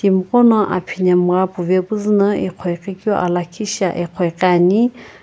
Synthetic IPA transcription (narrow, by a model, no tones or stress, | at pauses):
d̥imqʼɔnɔʔa̰pʰiɲamrabuvɛbuznəiqʰɔjqʼikʼjɔ̰ʔalakʰiʃaʔɛqʰɔjqʼani